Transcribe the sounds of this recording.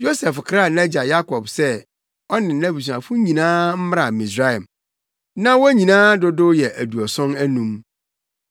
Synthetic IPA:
jo˦sɛ˨fkʰɾa˦˨nɛ˦d͡ʑa˨ja˦kʰɔ˨bsɛ˦ | ɔ˦nɪ̃˨n̩˨nã˦bi˨s̬u˨ã˨fʊ˦ɲĩ˨nãː˦m̩˦m˦ɾa˨mi˨sɾa˦ɛ˨m | nã˦wɔ˦ɲĩ˨nãː˦dʊ˦dʊ˦jɛ˨ʔæ˨du˨ɔ˨sʊ̃˦næ˦nũ˦m

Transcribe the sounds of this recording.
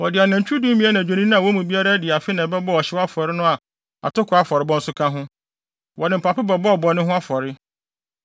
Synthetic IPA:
wɔ˨dɪ˨a˨nã˨ɲ̩˨t͡ɕʰᶣu˦dũː˦mĩ˦a˦nã˨d͡ʑᶣẽ˨nĩ˦ñ˦ã˨wɔ˦mũ˨bi˦a˦ɾa˦dɪ˨a˨fɪ˦nã˨bɛ˦bɔ˦ɔ˨ɕɪ˦wa˦fɔ˨ɾɪ˦nʊ̃˦a˨ | a̰˨tʊ˦kʰʊ˨a˦fɔ˨ɾɪ˦bɔ̃˦n̩˦sʊ˦kʰã˦ɦʊ̃˦ | wɔ˨nɪ̃˨m̩˨pʰa˨pɪ˦bɛ˨bɔ˦ɔ˨bɔ˨nɪ̃˦ɦʊ̃˦a˦fɔ˨ɾɪ˦

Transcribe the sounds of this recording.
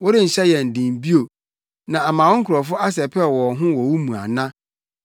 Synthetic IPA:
wɔ˦ɾɪ˦n̩˨ɕɛ˦jɛ˨n̩˨dɪ̃˨m˨bi˦o˨ | nã˨a˨mãː˨wɔ̃˦ŋ̩˦kʰʊ˨ɾɔ˨fʊ˦ʔa˦s̬ɛ˨pʰɛ˦˨wɔ˨ɦʊ̃˦wɔ˨wu˦mũ˨a̰˨nã˦

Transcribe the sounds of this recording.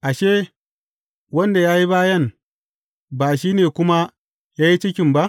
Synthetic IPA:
ʔa˨ʃeː˦ | wɐ˦nda˨jaː˦ji˦baː˦jɐ˦n | baː˨ʃ̬iː˦neː˨kʷʊ˦ma˦ | jaː˦ji˦t͡ʃɪ˦kʲɪ˨mba˦ʔ

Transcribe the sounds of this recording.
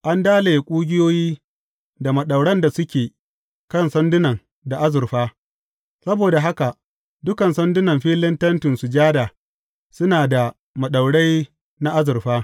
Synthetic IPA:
ʔa˦ndaː˦le˨jkʷʼuː˦ɡʲɪ˦joː˦jiː˦ | da˨mɐ˨ɗa˨wɽɐ˦nda˨sʊ˦kʲeː˨ | kɐ˦˨nsɐ˦ndʊ˦nɐ˨ŋ | da˨ʔa˦zʊ˨rɸaː˦ | sɐ˦boː˨da˨ɦa˦ka˨ | dʊ˦kɐ˨nsɐ˦ndʊ˦nɐ˨mɸiː˦lɪ˦ntɐ˦ntɪ˨nsu˨d͡ʒaː˦daː˨ | sʊ˦naː˨da˨ | mɐ˨ɗa˨wɽa˦j | na˦ʔa˦zʊ˨ɸaː˦

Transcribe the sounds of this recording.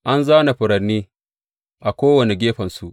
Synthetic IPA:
ʔa˦nza˦na˨ɸʊ˨ɾɐ˨nːiː˦ | ʔa˨kʷoː˦wɐ˨ne˨ɡʲeː˦ɸɐ˨nsu˨ʔ

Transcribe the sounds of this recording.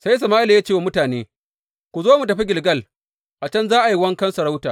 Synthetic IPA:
sa˦js̬ɐ˨maː˦ʔɪ˦la˨ja˦t͡ʃeː˦˨wa˨mʊ˦taː˨neː˦ | kʷu˨zoː˦mu˨tɐ˨ɸi˦ɡʲɪ˨lɡɐ˦l | ʔa˨t͡ʃɐ˦nzaː˦ʔa˨ji˦wɐ˦ŋkɐ˦nsɐ˨ɽa˦wtaː˨

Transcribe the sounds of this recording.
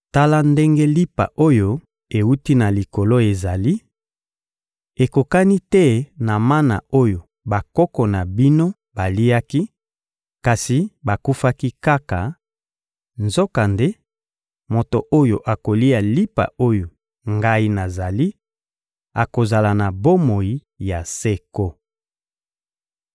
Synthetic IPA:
ta˦la˦nde˦ŋɡe˦li˦pa̰˨ʔo˦jo˦ | e˨wu˦ti˦na˨li˨ko˨lo˦e˨za˨li˦ | e˨ko˨ka˦ni˦tɛ˦na˨ma˦na̰˨o˦jo˨ | ba˨kɔ˦kɔ˨na˨bi˦no˦ | ba˨li˦a˦ki˦ | ka˨si˨ba˨ku˦fa˦ki˦ka˦ka˨ | nzo˦ka˨nde˦ | mo˨to˨ʔo˦jo˨ʔa˨ko˨li˦a˨li˦pa̰˨o˦jo˨ | ŋɡa˦i˦na˨za˨li˦ | a̰˨ko˨za˨la˨na˨bo˦mo˨i˨ | ja˨se˦ko˦

